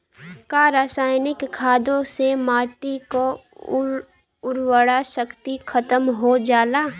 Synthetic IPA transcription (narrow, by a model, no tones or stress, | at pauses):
kaɾaːsaːjɪnɪkʰːaːd̪õsemaːʈiko | ʊɾwəɽaʃəkt̪ikʰət̪əmɦod͡ʒaːlaː